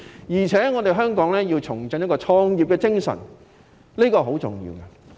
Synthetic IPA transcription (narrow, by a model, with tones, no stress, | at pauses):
jiː˨˩t͡sʰɛː˨˥ŋɔː˨˧t̪e˨jɦœː˥ŋkɔː˨˥ŋlɛː˥jiː˧wt͡sʰʊ˨˩ŋt͡sɵ˧˥njkːɔː˧t͡ʃʰɔː˧ŋjiː˨p̚kɛː˧t͡sɪ˥ŋsɐ̰˨˩n | liː˥kɔː˧ɦo˨˥wt͡sʊ̰˨˩ŋjḭː˧wkɛ˧